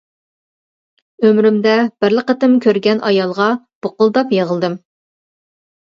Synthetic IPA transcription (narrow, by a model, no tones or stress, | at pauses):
ømɾymd̪ɛb̥ɪɾləqət̪ɪmkʲʰøɾɡʲɛnʔɑjɑlˠʁɑ | b̥oqʊlˠd̪ɑpjeʁəlˠd̪ɨm